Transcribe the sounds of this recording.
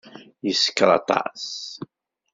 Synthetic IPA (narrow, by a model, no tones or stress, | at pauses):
jəsə̥kːɾˤɑ̰t̪ˤɑ̰s